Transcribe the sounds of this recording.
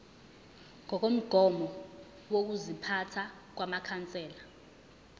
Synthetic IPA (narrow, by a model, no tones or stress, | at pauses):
ŋɔk̬om̩ɡ̥ʱɔmɔ | wok̬uzipʰatʰa | k̬wamakʰant͡sʼɛːla